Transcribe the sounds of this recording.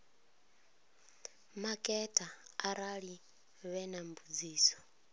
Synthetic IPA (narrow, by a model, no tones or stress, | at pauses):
makʼɛtʼaːɾaɺi | βɛnambud͡ziːsɔ̥